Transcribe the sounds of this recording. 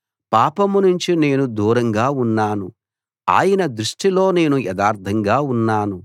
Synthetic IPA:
paːpɐmunuɲt͡ʃine̞ːnud̪uːɾɐŋɡaːunːaːnu | a̰ːjɐnɐd̪ɾuʂʈilo̞ːne̞ːnujɛd̪aːɾt̪ʰɐŋɡaːunːaːnu

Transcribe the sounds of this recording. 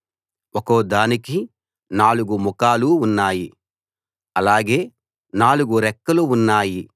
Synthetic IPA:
ɔkoːd̪aːniki | naːluɡumukaːluːnːaːji | ɐlaːɡe̞ː | naːluɡuɾɛkːɐluːnːaːji

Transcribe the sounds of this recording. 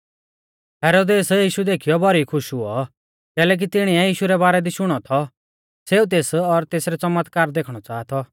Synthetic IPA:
ɦɛːɾoːd̪eːsjiːʃud̪eːkʰijɔbʱɔɾikʰʊʃʊɔ | kɛːlɛːk̬it̪ɪɽ̃iɛjiːʃuɾɛbaːɾɛd̪iʃʊɽ̃ɔt̪ʰɔ | seːut̪̬eːsɔɾt̪eːsɾɛt͡sɐmət̪kaːɾd̪eːkʰɽ̃ɔt͡saːt̪ʰɔ

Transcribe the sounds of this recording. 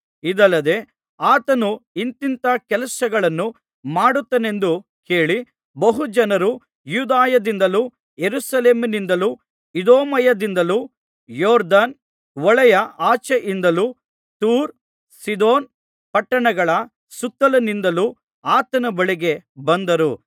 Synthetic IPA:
id̪ɐlːɐd̪e̞ | aːt̪ɐnuint̪int̪ɐkɛlɐsɐɡɐɭɐnːu | maːɽut̪ːɐne̞nd̪u | ke̞ːɭi | bɐɦud͡ʒɐnɐɾu | juːd̪aːjɐd̪ind̪ɐlu | jeɾusɐle̞ːmɐnind̪ɐluː | id̪oːmɐjɐd̪ind̪ɐluː | jɔːɾd̪aːn | ʋɔɭɛjɐaːt͡ʃeʔind̪ɐlu | t̪uːɾ | sid̪oːn | pɐʈːɐɳɐɡɐɭɐ | sut̪ːɐlɐnind̪ɐlu | aːt̪ɐnɐbɐɭiɡe̞bɐnd̪ɐɾu

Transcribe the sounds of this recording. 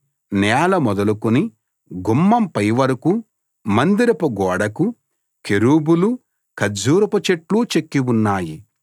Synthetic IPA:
nɛːlɐmɔd̪ɐlukuni | ɡumːɐmpɐjʋɐɾuku | mɐnd̪iɾɐpuɡɔːɽɐku | keɾuːbulu | kɐd͡ʒuːɾɐpɐt͡ʃeʈluːt͡ʃekːiwunːaːji

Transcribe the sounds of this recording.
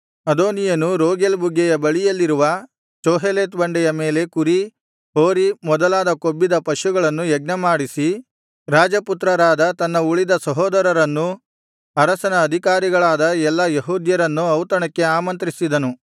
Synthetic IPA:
ɐd̪oːnijɐnuɾoːɡelbuɡːɛjɐbɐɭijɐlːiɾuʋɐ | t͡ʃoːɦeleːt̪bɐɳɖɛjɐme̞ːle̞kuɾi | ɦoːɾimɔd̪ɐlaːd̪ɐkobːid̪ɐpɐʃuɡɐɭɐnːujɛɡ̚nɐmaːɽisi | ɾaːd͡ʒɐput̪ɾɐɾaːd̪ɐt̪ɐnːɐuɭid̪ɐsɐɦɔːd̪ɐɾɐɾɐnːu | ɐɾɐsɐnɐːd̪ʱikaːɾiɡɐɭaːd̪ɐɛlːɐjɐɦuːd̪jɐɾɐnːuɐwt̪ɐɳɐkːe̞aːmɐnt̪ɾisid̪ɐnu

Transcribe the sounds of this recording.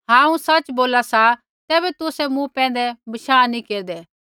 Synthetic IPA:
ɦãːũsɐt͡ʃboːlasa | t̪ɛːbɛt̪ʊsɛmũpɛ̃ːn̆d̪ɛbɐʃaːnĩkeːɾd̪ɛː

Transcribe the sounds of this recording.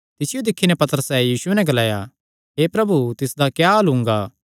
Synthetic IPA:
t̪ɪsɪjod̪ɪkʰːinɛ̃pɐt̪əɾəsɛjiːsʊɛnɛ̃ɡɐlaːja̰ | ɦeːpɾɐbut̪ɪsd̪akjaɐlɦʊ̃ŋ̆ɡaː

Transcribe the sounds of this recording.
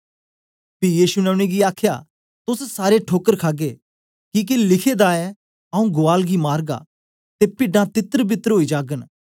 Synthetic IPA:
pijiːʃunɛʊɽ̃eɡiaːkʰja̰ | t̪ʊssaːɾeʈʰoːkəɾkʰaːɡeː | kiːk̬ilɪkʰed̪aːɛ | ɐũɡʊaːlɡimaːɾɡa̰ | t̪epɪɖãt̪ɪt̪əɾbɪt̪əɾɦoːid͡ʒaːɡən

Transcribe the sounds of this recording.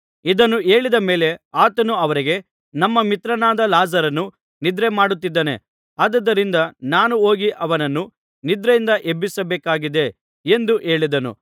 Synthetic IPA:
id̪ɐnːue̞ːɭid̪ɐme̞ːle̞aːt̪ɐnuɐʋɐɾiɡe̞ | nɐmːɐmit̪ɾɐnaːd̪ɐlaːzɐɾɐnːu | nid̪ɾemaːɽut̪ːid̪ːeːne̞̰ | aːd̪ɐd̪ːɐɾind̪ɐnaːnuo̞ːɡiʔɐʋɐnɐnːu | nid̪ɾejind̪ɐʔebːisɐbeːkaːɡid̪e̞ | end̪uʔe̞ːɭid̪ɐnṵ

